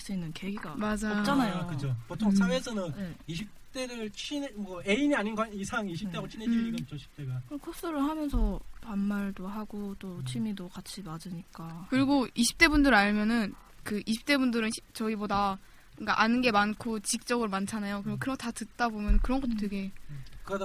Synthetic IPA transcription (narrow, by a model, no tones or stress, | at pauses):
s͈uinːɯnkeɡiɡamad͡ʑaopt͡ɕ͈anajokɯt͡ɕʰopotʰoŋsʰawesʰʌnɯneiɕʰip̚t͈e̞ɾɯɭt͡ɕʰinmʌeiniaɲinɡaisʰaŋiɕʰip͈et͡ɕʰined͡ʑiiɡʌt͡ɕ͈oɕʰi̥p̚t͈eɡakɯkʰos͈ɯɾɯɭɦamjʌnsʰʌpamːaɭdoɦaɡot͈ot͡ɕʰimidokat͡ɕʰimad͡ʑɯɲik͈akɯɾiɡoiɕʰi̥p̚t͈e̞bundɯɾaɭmjʌnɯn | kɯʔiɕʰi̥p̚t͈e̞bundɯɾɯnɕʰit͡ɕʌɡiboda | k͈aʔanɯnɡe̞mankʰot͡ɕik̚t͡ɕ͈ʌɡɯɭmant͡ɕʰanajokɯɾiɡokɯɾʌtatɯt̚t͈abomjʌnkɯɾʌnŋɡʌt͈ote̞ɡe̞kɯɾʌd